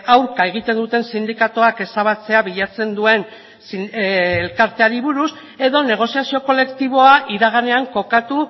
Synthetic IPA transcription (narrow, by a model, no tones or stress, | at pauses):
awɾkae̞ɣ̞it̪e̞nd̪ut̪e̞nsind̪ikat̪oake̞saβ̞at͡se̞aβiʎat͡se̞nd̪ue̞n | siːlkaɾt̪e̞aɾiβuɾus | e̞ðo̞ne̞ɣ̞o̞siasio̞ko̞le̞kt̪iβ̞o̞aʔiɾaɣ̞ane̞aŋko̞kat̪u